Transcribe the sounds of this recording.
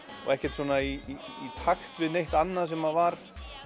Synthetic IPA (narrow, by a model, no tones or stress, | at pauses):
ɔ̰ɣɛhcɛɾ̥t̪swɔːnaiːt̪ʰaxt̪vɪðnejht̪anːasɛmaðvaɾ̥